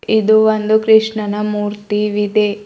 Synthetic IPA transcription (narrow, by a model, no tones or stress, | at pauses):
id̪uʋond̪ukɾiʂɳɐnɐmuːɾt̪iʋid̪e